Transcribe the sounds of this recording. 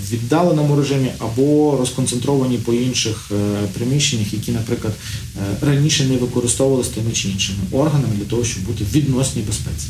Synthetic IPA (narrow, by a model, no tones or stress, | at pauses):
ʋʲid̪ːɑlˠenɔmʊɾeʒɪmʲiʔɐbɔɾɔskɔnt̪sent̪ɾɔʋɐnʲipɔinʃɪxpɾɪmʲiʃt͡ʃenʲːɐxjɐkʲinɐpɾɪklˠɐd̪ | rɐnʲiʃɛnɛʋɪkɔɾɪst̪ɔwʋɐlˠɪsʲt̪ɪmɪt͡ʃɪinʃɪmɪʔɔrɦɐnɐmɪd̪lʲɐt̪ɔɦɔʃt͡ʃɔb̚but̪ɪʋʲid̪nɔsʲnʲibespɛt͡sʲi̥